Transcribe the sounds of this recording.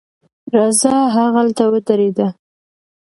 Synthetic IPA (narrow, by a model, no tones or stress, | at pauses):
ɾazɑɦaɣalt̪awət̪aɾed̪a